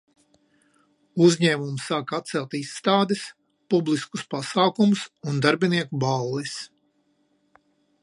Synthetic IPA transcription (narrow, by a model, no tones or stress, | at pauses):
uzʲɲɛːmumsaːkat̪̚t̪sɛlˠt̪isːt̪aːd̪ɛs | publˠiskuspasaːkumusund̪aɾbʲiniɛkubalˠːɛs